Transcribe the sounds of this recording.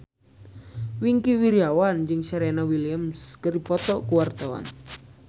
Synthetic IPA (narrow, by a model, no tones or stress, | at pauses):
wiŋkiwiɾiawand͡ʒɨŋʃaɾɛnawiliamskəripɔt̪ɔkuwart̪awa̰n